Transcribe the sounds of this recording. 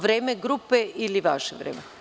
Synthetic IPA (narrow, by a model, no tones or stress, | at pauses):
ʋɾeːmeɡɾupeiliʋaʃeʋɾḛːme